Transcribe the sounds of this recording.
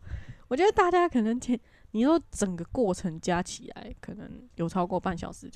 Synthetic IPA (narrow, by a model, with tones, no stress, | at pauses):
wɔ˨˩t͡ɕɥɛ˧˥d̪ə˧t̪a˥˩t͡ɕja˥kʰɤ˨˩nə˧˦ŋt̪ʰɛ˥n | ni˨˩t͡sɔ˥˩ʈ͡ʂə˨˩ŋɡə˩˦kwɔ˥˩ʈ͡ʂʰə˧˦ŋt͡ɕja˦˥t͡ɕʰi˨˩la̰˧˦ɪkʰə˨˩nə̰˧˦ŋjo˨˩ʊʈ͡ʂʰɑ˥ʊkwɔ˥˧pa˥˨nɕjɑ̰˨˩ʊʂɻ̩˧˥t͡ɕ